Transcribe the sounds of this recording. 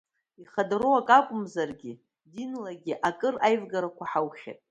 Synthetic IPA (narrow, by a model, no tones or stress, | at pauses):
iχadroakʼakʷʼʊmzarɡʲɪ | dinlaɡʲiʔakʼɨrajvɡaɾakʷʰaħawχʲa̰tʼ